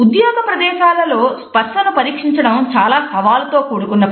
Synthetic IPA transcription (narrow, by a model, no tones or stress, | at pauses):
ud̪joːɡɐpɾɐd̪ɛːʃaːlɐlo̞ːspɐɾʂɐnupɐɾiːkʂiɲt͡ʃɐɽɐmt͡ʃaːlaːsɐʋaːlɐt̪o̞ːkoːɽukunːɐ